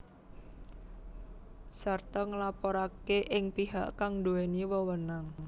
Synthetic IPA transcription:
sart̪ɔŋəlapɔɾakeʔɪŋpiɦa̰ʔkaŋd̪uweniwəwənaŋ

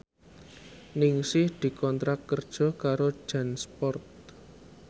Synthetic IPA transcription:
nɪŋsɪhd̪̥i̤kɔnt̪ɾakːərd̥ʒ̥ɔ̤kaɾo̥ʒ̥a̤nspɔrt̪̚

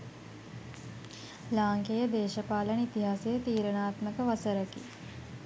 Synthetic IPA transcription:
laːŋkejəd̪eːʃəpaːlənit̪iɦaːsejət̪iːɾənaːt̪məkəʋasəɾəkḭ

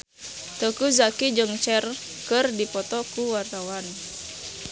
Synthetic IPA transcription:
t̪əkuzakid͡ʒəŋt͡ʃɛr | kɨrdipɔt̪ɔkuwart̪awan

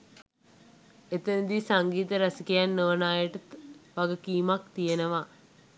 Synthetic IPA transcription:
et̪ənd̪isaŋɡiːt̪əɾɐsikejanːəʋənaːjəʈəʋaɡəkiːmakt̪ijenəʋa

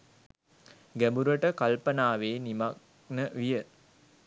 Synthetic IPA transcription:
ɡæbuɾəʈəkalpənaːʋeːnimak̚ | nəʋijə

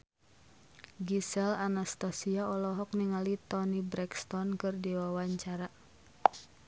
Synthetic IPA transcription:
ɡisɛlanast̪asiaɔlɔɦɔk̚niŋalit̪ɔnibɾɛkst̪ɔnkɨrdiwawaɲt͡ʃaɾa

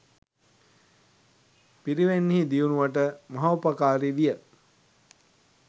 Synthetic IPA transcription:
piɾiʋenːiɦid̪iunuʋaʈəmaɦaupɐkaːɾiʋijə

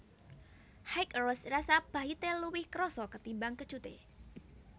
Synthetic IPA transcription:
hajkrɔsrasab̥a̤ɦit̪eluwɪhkəɾɔsɔkət̪imbaŋkə̥ʒ̥ut̪ḛ

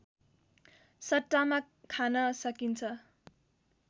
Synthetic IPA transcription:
sʌʈːama | kʰanʌsʌkint͡sʰʌ

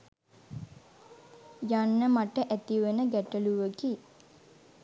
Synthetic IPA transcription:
janːəmaʈəʔæt̪iʋenəɡæʈəluʋəki

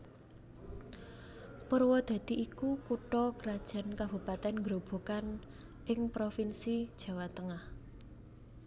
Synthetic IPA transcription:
pərwɔd̪̥ä̤d̪̥i̤ʔikukuʈɔkəɾad̥ʒ̥a̤nkab̥ṳpat̪ɛnŋɡɾob̥o̤kan | ʔɪŋpɾofinsid̥ʒ̥ä̤wat̪əŋah

